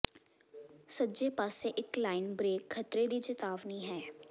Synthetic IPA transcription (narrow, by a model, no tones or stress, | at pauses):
səd͡ʒeːpaːseʔɪklaːɪnbɾeːkkʰːət̪ɾed̪iːt͡ʃɪt̪aːʋniːɦɛː